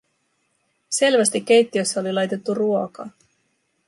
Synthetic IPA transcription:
se̞lʋæst̪ik̟ʲːe̞jt̪ːio̞sːɑolilɑjt̪e̞t̪ːuruo̞kɑː

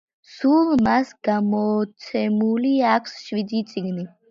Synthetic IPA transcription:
sulˠmasɡ̥amɔt̪sʰɛmuliakʷʰsʃwid̪it̪sʼiɡni

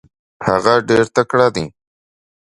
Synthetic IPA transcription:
haɣaɖeɾt̪akɽaːd̪i

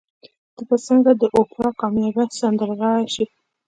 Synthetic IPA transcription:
d̪̥əkat͡səŋɡad̪əʔopɾɑkɑmjɑɡasand̪əɾɣɑɽaʃi

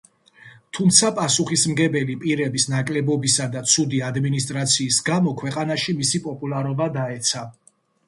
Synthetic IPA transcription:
t̪ʰumt̪sʰapʼasuχismɡɛbɛlipʼiɾɛbisnakʼlɛbɔbisad̪at̪sʰud̪iad̪minist̪ʼɾat̪sʰiːsɡamɔkʰwɛqʼanaʃimisipʼɔpʼulˠaɾɔbad̪aɛt̪sʰa

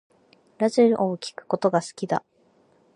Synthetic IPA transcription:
ɾaʑeɾɯ̟ʔokʲi̥kɯ̟̥ko̞t̪o̞ɡasɨ̥kʲid̪a̰

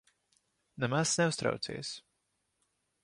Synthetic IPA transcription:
nɛmasnɛʊst̪ɾa̰wt̪sḭːs

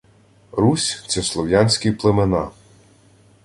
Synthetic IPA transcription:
ɾusʲt̪sɛslˠɔwjɑnʲsʲkiplˠemenɑ

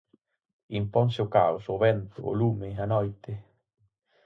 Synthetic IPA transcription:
impɔŋseoka̰wsoβɛnt̪ʊo̰lumeanɔjt̪ɪ

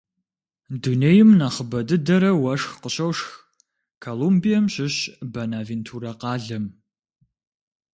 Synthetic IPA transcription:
duneːjɪmnaχəbɐdɨdɐɾɐwɐʂxqəɕɐwʂx | kʰolumbijɐmɕɪɕbɐnaːventʰuːɾɐqɑːɮɐm

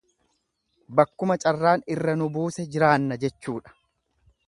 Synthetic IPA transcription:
bɐkːʊmɐt͡ʃʼɐrːaːnɪrːɐnʊbuːsɛd͡ʒɪɾaːnːɐd͡ʒɛt͡ʃːuːᶑɐ̥

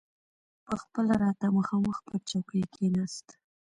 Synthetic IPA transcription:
pəxpəlaɾɑt̪aməxɑməxpət͡ʃawkəjkʰenast̪

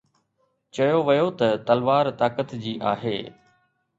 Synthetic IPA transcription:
t͡ɕɐjoʋɐjot̪ɐt̪ɐlʋaːɾt̪aːkət̪d͡ʑiːʔaːɦḛː

